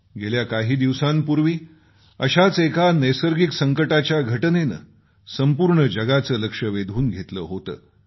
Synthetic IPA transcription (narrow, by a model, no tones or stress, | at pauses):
ɡʱeljakaɦiːd̪iʋsampuɾʋiː | əɕat͡sekanəjsəɾɡiksəŋkəʈat͡ɕjaɡʱəʈnenə̰ | səmpuɾɳəd͡ʑəɡat͡səːləkʂəʋed̪ʱuːnɡʱet̪ləːɦot̪ə̰ː